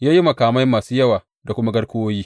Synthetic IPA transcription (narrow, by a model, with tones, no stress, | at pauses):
jaː˦ji˦mɐ˨kaː˨ma˦jmːaː˨suː˦jɐ˦waː˨ | da˨kʷʊ˦ma˦ɡɐ˦ɽkʷʊ˦woː˦jiː˦